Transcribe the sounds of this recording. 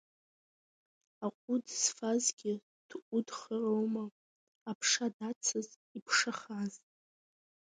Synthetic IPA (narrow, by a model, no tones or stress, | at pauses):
aqʷʼʊdsfazɡʲɪ | d̥ʔʊdχarowmaː | pʰʂadat͡sʰɨz | ipʰʂaχaz